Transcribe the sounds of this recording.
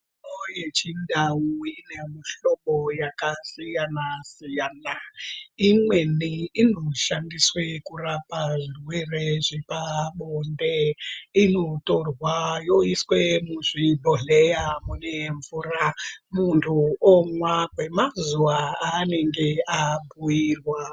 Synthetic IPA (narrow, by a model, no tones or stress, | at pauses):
ojet͡ʃindauinemuɬoɓojakasijanasijanaimwe̞niinoʃandiswekurapaʐirwereʐipaɓondeino̞torwajoiswemuʐibʱoɮejamune̞ɱvuramuntʰuomwaɡʱwemazuwaane̞ŋɡe̞abʱujirwa